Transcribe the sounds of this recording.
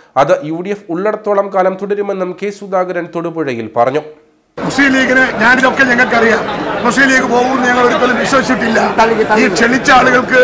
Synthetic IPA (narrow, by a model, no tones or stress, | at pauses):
ɐðɨʔjuːɽijefuɭːɐɽɐt̪ːuɭɐmkaːlɐmt̪uɽɐɾume̞nːumkeːsud̪aːɡɐɾɐnt̪oɽubuɻɐjilpɐrɐɲːu | musiːliːɣinɨɲaːniðo̞kːe̞ɲɐŋːɐɭkɐrijaːmmusiːliːɣɨpo̞ːɣumenːɨɲɐŋːɐɭo̞ɾupːoːlumʋiɕwɐɕɐʋiʈːilːɐiːt͡ɕe̞ɳit͡ɕːɐaːɭuɣɐɭkɨ